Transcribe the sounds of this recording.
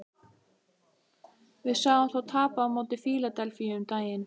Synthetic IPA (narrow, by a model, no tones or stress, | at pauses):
vɪðsaːɣamθawt̪ʰaːpaːmoːwt̪ɪfiːlat̪ɛlfiʏmt̪aːjɪn